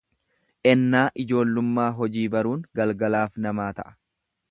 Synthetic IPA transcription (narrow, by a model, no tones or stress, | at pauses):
ʔɛnːaːʔɪd͡ʒo̞ːlːʊmːaːɦɔd͡ʒiːbɐɾuːŋɡɐlɡɐlaːfnɐmaːt̪ɐ̰ʔɐ̥